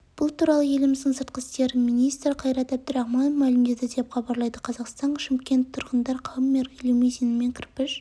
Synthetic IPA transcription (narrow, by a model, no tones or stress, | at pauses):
b̥ʊlˠt̪ʰuɾɑlˠəje̞lɪmɪzd̪ɪŋsəɾt̪̚qəst̪eɾmijnijst̪ɾɪqʰɑjɾɑt̪æb̚d̪ɪɾæχmɑnofmælɪmd̪ed̪ɪd̪e̞pχɑbɑɾlˠɑjd̪əqʰɑzɑqst̪ɑɴʃɪmkʲe̞nt̪ʰːʊɾʁənd̪ɑɾqʰɑwəmːeɾʁʲilewmezenɪme̞ŋkʲʰɪɾpɪʃ